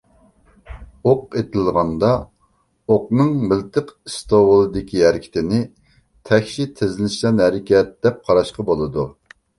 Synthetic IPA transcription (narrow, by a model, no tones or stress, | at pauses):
oq̚et̪ʰɪlˠʁɑnd̪ɑ | oqnɨŋmɪlt̪ʰɨqist̪owəlˠɨd̪ɪkʲʰiɦæɾɪkʲʰɪ̥t̪ʰɪnɪ | t̪ʰɛkʲʃit̪ʰezɪlɪʃlɛnhɛɾɪkʲʰɛt̪̚d̪̥ɛp̚qʰɑɾɑʃqɑbolˠɨd̪u